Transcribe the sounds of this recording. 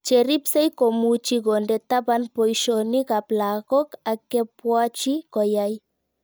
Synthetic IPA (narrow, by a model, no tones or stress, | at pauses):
t͡ʃeɾipsejkomut͡ʃiɡondet̪abanpojʃonikaplaɣokakepwat͡ʃikojaj